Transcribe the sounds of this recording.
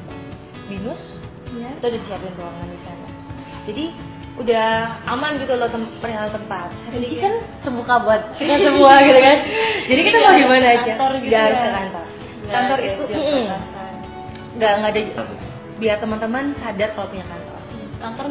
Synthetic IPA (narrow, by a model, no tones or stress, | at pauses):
binʊs | it̪uadadisiapɪnruaŋanːisalɲa̰ | d͡ʒadi | udahʔamanɡit̪ulot̪əmpəɾiɦalt̪əmpat̪̚iikansəmbukabat̪̚kit̪asəmuakit̪ukand͡ʒadikit̪amaɡimanaːd͡ʒat̪ɔrɡiɡahaɾʊsk̪əkant̪ɔr | kant̪ɔɾit̪um̩an | ŋɡaʔŋɡada | biart̪əmant̪əmansadat̪̚kalapuɲakant̪ɔ̰r | kant̪ɔr